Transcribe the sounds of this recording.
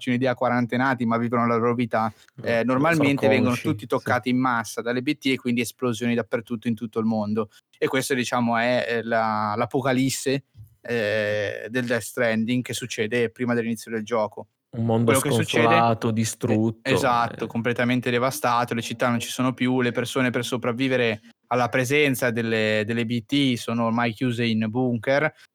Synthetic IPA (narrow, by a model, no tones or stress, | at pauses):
t͡ʃeunid̪ɛːakwaɾant̪enaːt̪imavːiːvonolaɾobit̪a | ɛnormalment̪evɛŋɡonot̪ut̪ːit̪okːaːt̪iːmːasːad̪alːebet̪ːiekːwind̪iesplozjoːnid̪apːert̪ut̪ːoint̪ut̪ːoilmond̪o | ekːwest̪od̪it͡ʃaːmoɛlalapokalisːe | ɛd̪eld̪ɛst̪ɾɛnd̪iŋkesːut͡ʃːɛːd̪epɾiːmad̪elːinit̪sjod̪eld͡ʒɔːko | ummond̪welːokesut͡ʃːɛːd̪eaːt̪od̪ist̪ɾut̪ːezat̪ːokomplet̪ament̪ed̪evast̪aːt̪olet͡ʃit̪ːanont͡ʃi̥soːnopjulepersoːnepersopɾavːiːveɾe | alːapɾezɛnt̪sad̪elːed̪elːebit̪ːisoːnoːrmajk̟juːzeinbuŋker